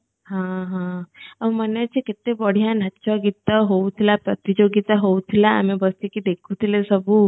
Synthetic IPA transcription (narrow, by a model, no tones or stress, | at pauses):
ɦãɦããm̤ənjat͡ɕikit̪ebəɽ̤ijanat͡ɕɔɡit̪əɦowt̪ʰilapɾət̪id͡ʑoɡit̪aɦowt̪ʰila̰ːmibəst̪ikid̪ekʰut̪ʰilesəbʱuː